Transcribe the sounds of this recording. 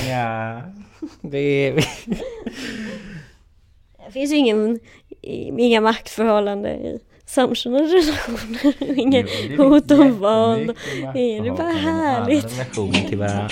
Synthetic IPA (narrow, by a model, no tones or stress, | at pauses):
d̪ɛvɪ | ɛfɪns̬ɪŋːən̰ | ɪŋːamak̚t̪fœɾhɔlːand̪ə̰ɪ̰ | samʂʉnəɾɛlaɧuːnəɾɔɪŋːəhuːt̪ɔmvɑːld̪ɔɪŋːəd̪ɛbɑɾaɦæːɭɪɡt̪uːnət̪ʰɪ